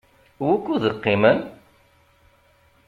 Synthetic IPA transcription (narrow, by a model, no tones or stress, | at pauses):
wækːuðəqːimən